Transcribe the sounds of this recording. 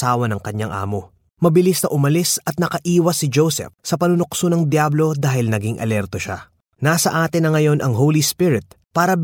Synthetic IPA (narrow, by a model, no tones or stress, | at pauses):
aːwɐnɐŋkɐɲaŋʔa̰ːmo̞ | mɐbɪlisnɐʔʊmɐlisɐt̪̚nɐkɐʔiːwɐsːɪd͡ʒowsɛ̰fsɐpɐnʊnoksonɐŋd̪jablo̞d̪aːhɪlnɐɡiŋʔɐ̰lɛɾt̪o̞ʃa | naːsɐʔaːt̪ɪnːɐŋɐjo̞nʔɐŋɦowlispɪɾɪt̪̚paːɾɐb